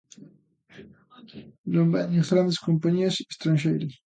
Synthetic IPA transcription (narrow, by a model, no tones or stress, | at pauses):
lombanesɣɾand̪eskompaɲiase̥st̪ɾanʃejɾes